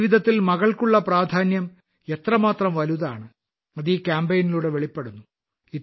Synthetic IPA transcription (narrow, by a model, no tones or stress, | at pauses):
ʋid̪ʱɐt̪ːilmɐɣɐɭkuɭːɐpraːd̪ʱaːnjɐm | e̞t̪rɐmaːt̪rɐmʋɐluðaːɳɨ | ɐðikʲaːmbejniluːɽe̞ʋe̞ɭipːe̞ɽunːu | i